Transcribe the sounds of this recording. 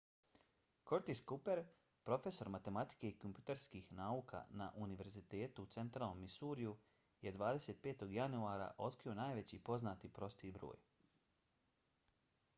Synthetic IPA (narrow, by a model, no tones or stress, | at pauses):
ko̞ɾt̪iskupe̞ɾ | pɾo̞fe̞so̞ɾmat̪e̞mat̪i̥ke̞ikompjut̪eɾskixnaːuka̰na̰ʔuniʋe̞ɾzit̪e̞ːt̪uːt̪se̞nt̪ɾaːlˠno̞mːisuːɾiju | je̞d̪ʋaːd̪e̞se̞t̪̚pe̞ːt̪o̞ɡjanuaːɾa̰ʔo̞t̪kɾio̞naːjʋe̞t͡ɕipo̞znaːt̪ipɾo̞st̪ibɾo̞̰ːj